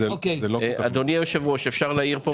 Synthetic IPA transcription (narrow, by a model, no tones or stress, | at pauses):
eokeeloʔad̪oniaeʃavʁoʃefʃaʁlaiʁpo